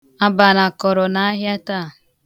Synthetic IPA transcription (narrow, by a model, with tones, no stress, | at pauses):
a˦ba˨na˨kɔ˨ɾɔ˨na˨a˦ɦja˦ta˦˨